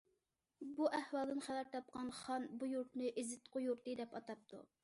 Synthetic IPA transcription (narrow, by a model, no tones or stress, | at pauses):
buʔɛhwɑlˠd̪ɨnχævæɾt̪ʰɑp̚qɑnχɑnbujuɾt̪nɪʔɪzɪt̪qʰʊjuɾt̪ɨd̪ɛpɑt̪ɑp̚t̪ʰṵ